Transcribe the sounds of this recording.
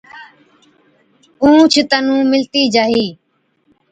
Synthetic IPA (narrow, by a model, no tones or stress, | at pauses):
ũːt͡ʃʰɪt̪ənũːmɪlt̪iːd͡ʒaːɦiː